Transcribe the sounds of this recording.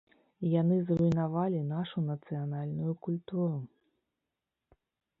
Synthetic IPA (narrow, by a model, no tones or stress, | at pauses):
janɨzrujnavalʲinaʂunɐt̪sɨjanalʲnujukulʲt̪uɾu